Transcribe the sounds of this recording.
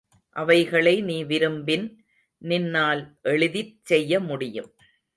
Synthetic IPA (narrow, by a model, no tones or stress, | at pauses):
ʔɐʋɐɪɣɐɭɐɪniːʋɪɾɯmbɪn | nɪnːaːlʔɛɭɯðɪt͡ʃsɛjːɐmʊɽɪjɯ̰m